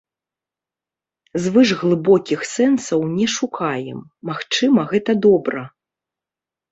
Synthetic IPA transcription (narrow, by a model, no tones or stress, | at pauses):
zvɨʐɣlˠɨbɔkʲixsɛnsɐwnʲɛʂukajɛ̰mːaxt͡ʂɨmɐɣɛt̪ɐd̪ɔbɾɐ